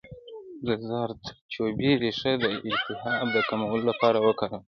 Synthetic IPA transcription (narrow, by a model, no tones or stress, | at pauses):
d̪əzɑɾt̪t͡ʃobiɾeʂad̪əɪnt̪ɪɦɑd̪əkamawəlolapɑɾawəkaɾəm